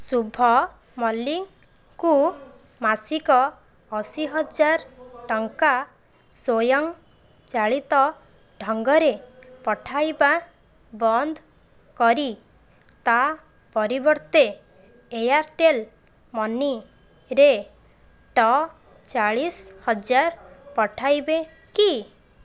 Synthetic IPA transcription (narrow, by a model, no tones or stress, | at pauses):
subʱɔ | mɔlːiŋ | ku | masikɔː | siɦɔd͡ʒaɾʈɔŋka | sojɔŋ | t͡ʃaɭit̪ɔ | ɖʱɔŋɡɔɾepɔʈʰajba | bɔnd̪ʱ | kɔɾi | t̪a | pɔɾibɔɾt̪eː | jaɾʈel | mɔni | ɾe | ʈɔ | t͡ʃaɭishɔd͡ʒaɾpɔʈʰajbe | ki